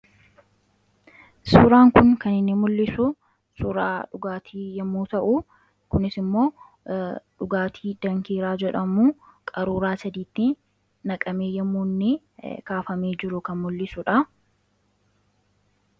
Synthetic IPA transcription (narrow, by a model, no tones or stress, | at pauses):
suːɾaːŋkʊŋkɐnɪnːɪmʊlːɪsʊ | suːɾaːᶑʊɡaːt̪ʰiːjɛmːuːt̪ɐʔʊ | kʊnɪsɪmːo̞ː | ᶑʊɡaːt̪ʰiːd̪̥ɐŋkiːɾaːd͡ʒɛᶑɐmuːkʼɐɾuːɾaːsɐd̪iːt̪ːɪ | nɐkʼɐmeːjɛmːuːnːɪ | kaːfɐmeːd͡ʒɪɾʊkɐnmʊlːɪsʊᶑɐ